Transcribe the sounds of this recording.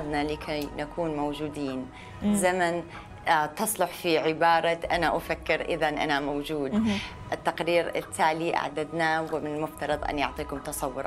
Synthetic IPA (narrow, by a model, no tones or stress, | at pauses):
d̪nalɪkʰajnakʰuːnmowd͡ʒuːd̪iːn | zaman | t̪ɨsˤlʊħfiʕɪbɑːɾˤɑʔanaʔafakːɪɾʔɪ̰ðanʔa̰namowd͡ʒuːd̪ | ʔɪt̪ːaqɾiːɾɪ̰t̪ʰːaːliʔa̰ʕd̪ad̪nawɪmɪnɪlmʊft̪ɑɾˤɨd̪ˤʔa̰njʊʕt̪ˤiːkʊmt̪ɑsˤɑwːʊɾ